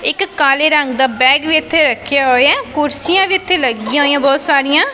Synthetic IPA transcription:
ɪkːaːleːɾəŋɡd̪aːbɛːɡʋiːɪt̪ʰːeːɾəkʰːjaːɦoːeɛ̃ːkʊɾsijãːʋiːɪt̪ʰːeːləɡiːãɦoːijãːbɔːt̪saːɾijãː

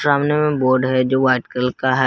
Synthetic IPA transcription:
ɾaːmnjemẽboːɾɖɦɛd͡ʒoːʋaːɪʈkɾəlkaɦɛ

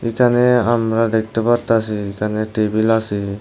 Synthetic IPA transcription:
ikaneamɾad̪ek̚t̪əbaɾt̪asikaneʈebilasi

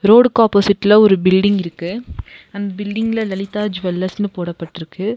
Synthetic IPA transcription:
ɾoːɽkaːpoːsɪʈːɪlɐɔɾɯbɪlɖɪŋɡɪɾɯkːɯɐnd̪ɐbɪlɖɪŋɡlɐlɐlɪt̪ːaːd͡ʒʋɛlːɐsnɯpoːɽɐpːɐʈːɪɾɯkːɯ

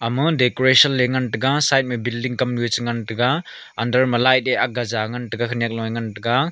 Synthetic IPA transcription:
amɯdekoɾesɔnleŋantɯɡasajt̚mibildiŋkamnuot͡ʃɯŋantɯɡa | andɐɾmɐlajteaɡazaŋantɯɡakʰɯnijak̚lɔjŋantɯɡa

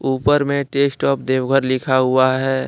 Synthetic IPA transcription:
uːpəɾmẽʈeːsʈɔːp̚d̪eːwɡʱəɾlɪkʰaɦʊaɦɛː

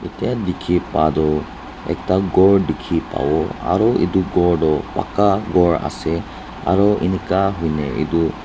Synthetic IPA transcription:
etijadikʰipadɔ | ɛ̰k̚taɡɔɹdikʰipa̰wɔa̰ɹɔḭduɡɔɹdɔpa̰kaɡɔɹa̰sɛ | a̰ɹɔʔḭnikaɦujnɛḭdu

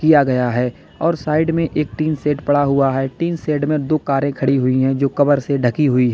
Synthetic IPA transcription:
kijaɡɐjaɦɛː | ɔːɾsaːɪɖmẽʔeːk̚t̪iːnseːʈpɐɽaɦʊaɦɛːʈiːnseːʈmẽd̪oːkaːɾẽkʰɐɽiɦʊiɦɛ̃d͡ʒoːkɐbəɾseɖʱɐkiɦʊiɦ

